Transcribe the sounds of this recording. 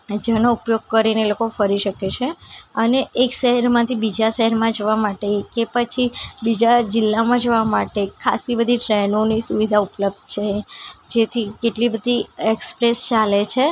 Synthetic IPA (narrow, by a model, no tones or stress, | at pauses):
d͡ʒanoupjoɡ̚kəɾineelokofəɾiʃəket͡ʃʰeəneʔekʃəɦɛɾmãt̪ʰibid͡ʒaʃəɦɛɾmãd͡ʒoʋamaʈekepət͡ʃʰibid͡ʒad͡ʒɪlːamãd͡ʒəʋamaʈekʰa̰sibəd̪ʱiʈɾɛnonisuʋid̪ʱaupləb̚d̪̚ʱt͡ʃʰed͡ʒet̪ʰikeʈlibəd̪ʱiekspɾest͡ʃalet͡ʃʰe